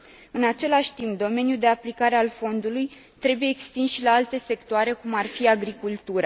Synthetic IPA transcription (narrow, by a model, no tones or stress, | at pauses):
ɨnat͡ʃe̞laʃʲt̪imp̚d̪o̞me̞njuld̪e̞aplikaɾe̞alfo̞nd̪uluj | t̪ɾe̞bujeːkst̪insʃilaalt̪e̞se̞kt̪oaɾe̞kumarfiaɡɾikult̪uɾa